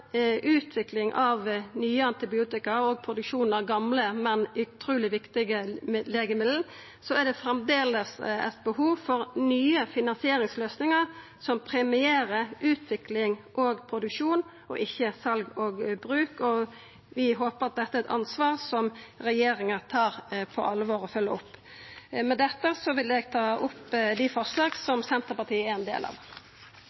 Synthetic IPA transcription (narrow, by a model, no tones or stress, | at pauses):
ʔʉːt̪ʰʋɪklɪŋʔɑʋnyːəɑnt̪ɪbɪuːt̪ɪkəɔɡ̚pʰɾʊd̪ʉkʃuːnəʁɡɑmləmɛnʉt̪ʰɾuːlɪʋɪkt̪ɪɡəleːɡəmɪd̪l̩ | sɔæd̪ɛfɾɛmd̪eːləsɛ̰t̪̚bəɦuːʋfɔɾnyːəfɪnɑnsɪeːɾɪŋsløːsnɪŋəʁ | sɔmpʰɾɛmɪeːɾəʔʉːt̪ʰʋɪklɪŋʔɔːɡpʰɾʊd̪ʉkʃuːn | ɔ̰ʔɪçːəsɑlɡɔːɡbɾʉːkɔ | ʋɪɦoːpəɾɑt̪̚d̪ɛt̪ːəæɛɛt̪ɑ̰nsʋɑːʁsɔmɾɛjeːɾɪŋət̪ʰɑːɾpʰɔ̰ʔɑlːʋoːɾɔfœlːəʊpː | mɛd̪ɛt̪ːəsɔʋɪlɛɡt̪ʰɑːʔʊpːd̪ɪfɔslɑːɡsɔmsɛnt̪əɾpɑt̪iːəæɛnd̪ḛːlɑ̰ːʋ